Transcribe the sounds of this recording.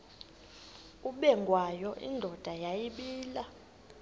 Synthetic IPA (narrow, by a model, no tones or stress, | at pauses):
uɓɛŋɡʱwajɔʔḭndʱɔd̥ʱajajiɓiːla